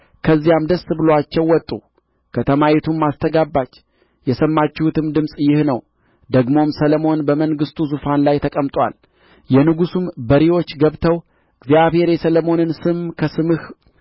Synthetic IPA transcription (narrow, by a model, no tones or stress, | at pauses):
kʰəzːijamd̪əsːbɨloat͡ʃːɛwːɔt̪ʼːu | kʰət̪ʰəmait̪ʰumːast̪ʰəɡabːat͡ʃː | jɛsəmːat͡ʃːɛhut̪ɨmd̪ɨmsʼjɪhnəw | d̪əɡmo̞msələmo̞nbəməŋɡɨst̪ʰuzufanlajt̪ʰəkʼəmt̪ʼwa̰l | jɛnɨɡusumbəɾiwo̞t͡ʃːɡəβt̪ʰəw | ʔɨɡzijaβhe̞ɾjɛsələmo̞nɨnsɨmkʰəsɨmɨh